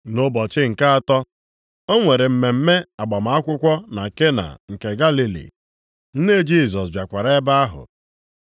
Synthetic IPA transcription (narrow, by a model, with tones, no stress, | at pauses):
no˦bɔ˨t͡ʃɪ˦ŋ̩˨ka˦a˨tɔ˦ | o˦ŋʷe˨ɾe˨m̩˨me˨m̩˦me˦a˨ɡ͡ba˨m˨˦a˦kʷʊ˦kʷɔ˦na˨ke˦na̰˨ŋ̩˨ke˨ɡa˦li˦lḭ˨ | n̩˦ne˦d͡ʒi˦˨s̬ɔ˨sbja˨kʷa˨ɾe˦ba˦a˦ɦʊ̰˨